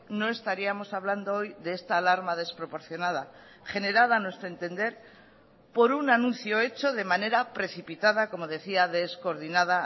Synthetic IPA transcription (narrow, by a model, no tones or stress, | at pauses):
no̞e̞st̪aɾiamo̞saβland̪oojðeest̪aːlaɾmað̞e̞spɾo̞po̞ɾθjo̞nað̞a | χe̞ne̞ɾaðanwe̞st̪ɾoe̞nt̪e̞nd̪e̞ɾ | po̞ɾunanũn̟θjo̞e̞t͡ʃo̞ðe̞mane̞ɾapɾe̞θipit̪aðako̞mo̞ðe̞θiaðe̞sko̞ɾðinaða